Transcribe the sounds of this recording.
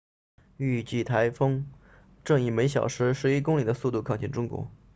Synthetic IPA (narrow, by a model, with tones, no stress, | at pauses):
y˥˩t͡ɕi˥˩t̪ʰa˧˥ɪfɤ˥ŋ | ʈ͡ʂɤ˥˧ŋi˥˩me˧˥ɪɕ̬jɑ̰˨˩ʊʂɻ̩˧˥ʂɻ̩˧˥i˥kʊ˥ŋli˨˩d̪ə˦su˥˧t̪u˥˧kʰɑ˥˧ŋt͡ɕʰɛ˥˩nʈ͡ʂʊ˥ŋkwɔ̰˧˥